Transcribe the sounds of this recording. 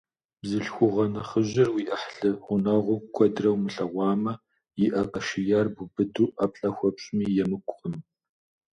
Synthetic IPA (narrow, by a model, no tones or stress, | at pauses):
bzɨɬxʷʊʁɐnɐχəʑɪrwiːʔɐħɬɨʁʷʊnɐʁʷʊkʷʰɔdrɐwmɨɬɐʁʷɑːmɐ | jɪʔɐqɐʃɪjaːrbubɨduːʔɐpɬʼɐxʷɔpɕʼmiːjɛmɨkʷʼqəm